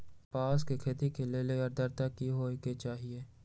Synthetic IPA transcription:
paːskekʰeːt̪ikeleːleɡɐɾd̪ɐɾt̪akiɦoːket͡ʃaːɦieː

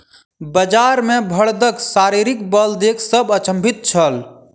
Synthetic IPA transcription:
bəd͡ʒaɾmebʱəɭd̪əksaɾiɾikbəld̪ekʰsəbət͡ʃə̃mbʱit̪̚t͡ʃʰəl

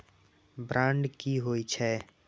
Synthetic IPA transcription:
bɾʔãːɳɖkiɦoːit͡ʃʰɛ

